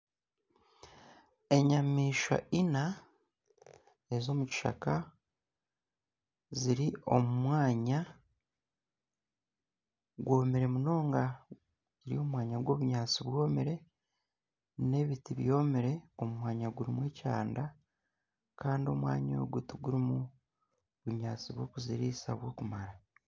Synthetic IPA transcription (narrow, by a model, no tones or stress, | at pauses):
e̞ɲamiːʃa̰ina | e̞zo̞muci̥ʃa̰ka | ziɾio̞mumwaːɲa | ɡwo̞ːmiɾe̞muno̞ːŋɡa | ziɾio̞mumwaːɲaɡwo̞ːβuɲaːt͡siβwo̞ːmiɾe̞ | ne̞βitiβjo̞ːmiɾe̞o̞mumwaːɲaɡuɾimwe̞ːcaːnda | kaːndio̞mwa̰ːɲo̰ɡutuɡuɾimu | βuɲaːt͡siβwo̞ːkuziɾiːsaβwo̞ːkumaɾa